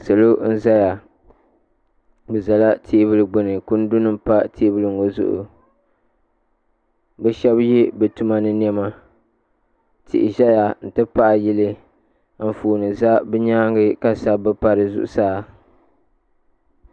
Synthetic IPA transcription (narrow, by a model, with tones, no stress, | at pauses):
sɨ˨lo˦n̩˦za˦ja˨ | bɛ˨za˨la˦tʰiː˦βɨ˦lɨ˨ɡ͡bʊ˨nɨ˨ku˦n̩˦dʊ˦nɨ˦m˦pa˦tʰeː˦bɨ˦lɨ˨ŋ̩˨ɡo˦zʊ̰˦ʔʊ̰˨ | bɛ˦ʃɛ˦bji˦bɨ˨tu˦ma˦nɨ˦n˦ɛ˦ma˦ | tʰɪ̰˨ʔɪ˨ʒa˦ja˨n̩˨tɨ˦pa˦ʔa˨ji˦lɨ˦ | m̩˨fuː˨nɨ˨za˦bɛ˦ɲaː˦ŋɡɨ˦ka˦sa˦bɨ˦pa˨ɾɨ˨zʊ̰˨ʔʊ̰˨saː˦